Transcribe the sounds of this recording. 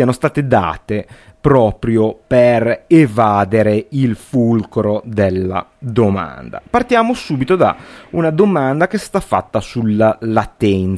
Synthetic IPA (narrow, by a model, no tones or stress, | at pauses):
ianost̪aːt̪ed̪a̰ːt̪e | pɾɔːpɾjoperevaːd̪eɾeilfulkɾod̪elːa̰d̪oma̰nd̪a̰part̪jaːmosuːbit̪od̪a̰unad̪omand̪akest̪afːa̰t̪ːasulːalat̪ɛn